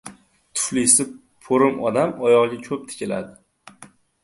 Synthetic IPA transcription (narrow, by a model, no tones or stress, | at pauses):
t̪ʰʊ̥flisɪ | pʰoɾɪmɒd̪amɒjɒʁɡʲakʲʰɵp̚t̪ʰɪ̥kʲʰɪla̰d̪ɪ